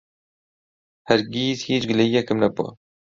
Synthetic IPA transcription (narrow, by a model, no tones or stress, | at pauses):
hæɾɡiːzhiːt͡ʃɡɨlɛiːɛkɨmnɛpo̰